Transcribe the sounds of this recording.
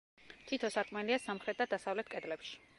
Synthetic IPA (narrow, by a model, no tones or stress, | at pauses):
t̪ʰit̪ʰɔsat̪ʼmɛliasamχɾɛt̪̚ʼd̪ad̪asavlɛt̪̚ʰkʼɛd̪lɛpʃi̥